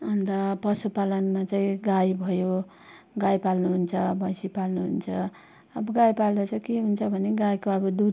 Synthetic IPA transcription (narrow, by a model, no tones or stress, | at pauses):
ʌnt̪ʌpʌsupalʌnmat͡saĩɡajbʱʌjo | ɡajpalnuɦunt͡sʰʌbʱʌjsipalnuɦṵnt͡sʰʌ | ʌbʌɡajpald̪ʌt͡sʰʌkeɦunt͡sʰʌbʱʌneɡajkoʌbʌd̪u